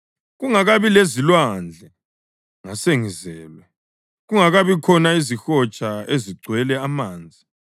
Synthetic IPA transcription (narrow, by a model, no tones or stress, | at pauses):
ɣuŋaɣaβilezilwand͡ɮʱɛ | ŋaseŋizɛːlwɛ | ɣuŋaɣaβikʰɔnaizixɔt͡ʃʼaeziɡ͡ǀʱwɛlɛamaːnd͡zʱi